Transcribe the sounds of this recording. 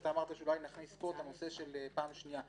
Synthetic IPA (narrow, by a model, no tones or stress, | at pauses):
taːmaʁt̪aʃeulajnaχnisːpot̪anose̞ʃelepaːmʃnija